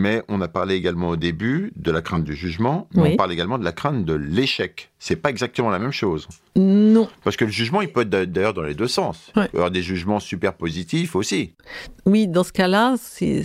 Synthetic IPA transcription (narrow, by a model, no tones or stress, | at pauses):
mɛɔ̃napaʁleːɡalmɑ̃od̪ebyd̪əlakχɛ̃t̪̚d̪yʒyʒmɑ̃ɔpaʁleɡalmɑ̃d̪əlakχɛ̃t̪̚d̪əleʃɛksɛpaɛɡzak̚t̪əmɑ̃lamɛmʃoz | nɔ̃paʁsə̥kələʒyʒmɑ̃ilpøɛt̪χd̪d̪ajœʁd̪ɑ̃led̪øsɑ̃sɔʁd̪eʒyʒmɑ̃sypɛʁpozit̪ifosiwid̪ɑ̃sə̥kalasɛ̰